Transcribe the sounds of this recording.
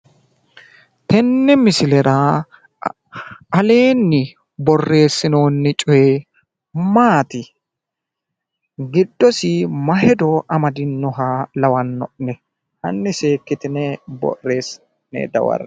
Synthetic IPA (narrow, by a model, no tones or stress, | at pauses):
t̪ɛnːɛmɪsɪlɛɾɐ | ɐle̞ːnːɪ | bɔrːe̞ːsːɪno̞ːnːɪt͡ʃʼʊjɛ | maːt̪ɪ | ɡɪd̪ːɔsɪmɐɦɛd̪ɔʔɐmɐd̪ɪnːɔɦalɐwɐnːɔʔnɛ | hɐ̰nːɪse̞ːkːɪt̪ɪnɛbɔ̰rːe̞ːs | nɛ̰d̪ɐ̰wɐ̰ɾɐ